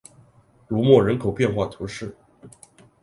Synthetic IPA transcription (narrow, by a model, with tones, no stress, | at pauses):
lu˧˥mwɔ˥˩ɻə˧˥nkʰo˨˩ʊpjɛ˥˧nxwa˥˩t̪ʰu˧˥ʂɻ̩˥˩